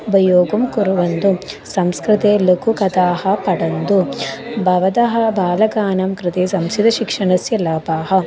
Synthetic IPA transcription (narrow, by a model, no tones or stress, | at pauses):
ubʱɐjoːɡumkuɾuʋɐnd̪u | sɐmskɾɪt̪eːlɐkukɐd̪aːhɐpɐɽɐnd̪ubʱɐʋɐd̪ɐɦɐbʱaːlɐɡaːnɐmkɾɪt̪eːsɐmsid̪ɐʃikʂɐɳɐsjɐlaːbaːɦɐ